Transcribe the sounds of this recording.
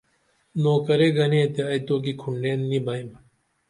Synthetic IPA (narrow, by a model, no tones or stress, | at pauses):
noːkɐɾeːɡɐnẽt̪aːit̪oːk̬ikʰuɳɖeːnːibɐim